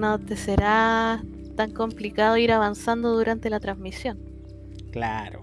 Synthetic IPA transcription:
not̪e̞seɾa | t̪aŋko̞mplikaðoiɾaβansand̪oðuɾant̪e̞lat̪ɾanzmisjo̞n | kla̰ɾo

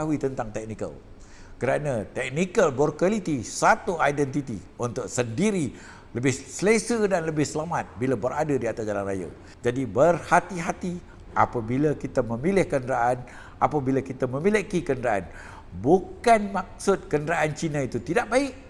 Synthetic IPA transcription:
aɦuit̪ənt̪aŋt̪ɛk̚nikə̰l | kəɾanãt̪ɛk̚nikəlbɔrkalit̪isat̪uajdɛnt̪it̪ḭ | unt̪ʊk̚səndiɾi | ləbɪhsəlesədanləbɪhsəlamat̪̚bilabəɾadədiat̪asd͡ʒalanra̰ja̰ | d͡ʒadibərhat̪iɦat̪i | ʔa̰pabilakit̪amə̃milɪhkənɾaʔan | a̰pabilakit̪amə̃milikikənəɾaʔa̰n | bukanmak̚sʊt̪̚kəndaʔant͡ʃinãit̪ut̪idaʔ̚baɪʔ̚

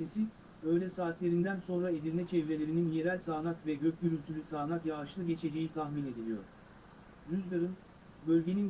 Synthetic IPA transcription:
esi | bø̞jlʲɛsaːt̪lʲe̞ɾind̪ænso̞nɾaed̪ilnʲɛt͡ʃʰɛvɾe̞lʲeɾininje̞ɾælʲsaːnakvɛɟøcʲlʲyɾylʲt̪ʰylʲisaːnakjaʃlˠɯɟe̞t͡ʃʰe̞d͡ʒe̞jit̪ʰaxmine̞d̪ilʲijo̞̰ɾ̥ | jyzd̪ˠaɾɯn | bølʲɟe̞nin

